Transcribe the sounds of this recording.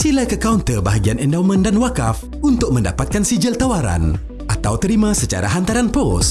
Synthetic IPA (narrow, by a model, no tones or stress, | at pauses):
silakəkaunt̪ərbaɦaɡianɛndawmə̃ndanwakaf | unt̪ʊk̚mə̃nda̰pat̪̚kansid͡ʒəlt̪awaɾa̰n | ʔat̪awt̪əɾimãsət͡ʃa̰ɾa̰ɦant̪aɾanpɔs